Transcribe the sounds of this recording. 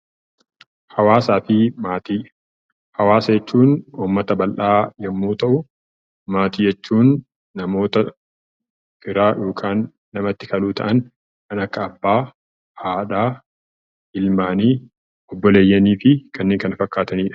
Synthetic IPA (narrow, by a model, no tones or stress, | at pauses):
hɐwaːsaːfɪmaːt̪iː | hɐwaːsɐjɛt͡ʃːuːnuːmːɐt̪ɐbɐlʔaːjɛmːuːt̪ɐʔʊ | maːt̪iːd͡ʒɛt͡ʃːuːnː | ɐmo̞ːt̪ɐ | fɪɾaːjo̞ːkʰʼaːnː | ɐmɐt̪ːɪkɐluːt̪ɐ̰ʔɐn | kɐnɐkːɐːbːaː | haːᶑaː | ɪlmaːniː | ʔɔbːɔle̞ːjːɐniːfɪkɐnːeːŋkɐnɐfɐkːaːt̪ɐniːᶑɐ̥